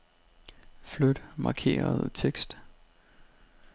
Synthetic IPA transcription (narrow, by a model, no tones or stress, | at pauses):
flød̥mɑ̈kʰe̝̰ːɐð̩ˠt͡sʰeɡ̥sd̥